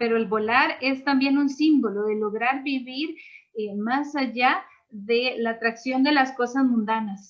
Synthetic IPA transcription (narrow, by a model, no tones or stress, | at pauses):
pe̞ɾo̞elβo̞laɾe̞st̪ambje̞nunsimbo̞lo̞ðe̞lo̞ɣɾaɾβiβiɾemasaʝa | ðelaːt̪ɾaksjo̞nd̪e̞lasko̞sazmũnd̪anas